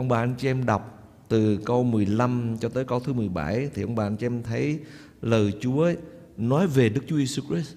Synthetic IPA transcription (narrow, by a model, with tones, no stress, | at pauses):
ʔə˧wŋ͡mɓaː˨˩ʔa˧nt͡ɕi˧ɛ˧mɗa˨˩wk͡p̚ | t̪ɨ˨˩kə˧wmɨ˨˩əjla˧mt͡ɕɔ˧t̪əː˨˦jkə˧wt̪ʰɨ˨˦mɨ˨˩əjɓa̰˧˩jt̪ʰi˨˩ʔə˧wŋ͡mɓaː˨˩ʔa˧nt͡ɕɛ˧ɛ˧mt̪ʰə˨˦j | ləː˨˩jt͡ɕu˨˦ə | nɔ˨˦jve˨˩ɗɨ˦˥k̚t͡ɕu˨˦je˧su˧kɹi˦˥s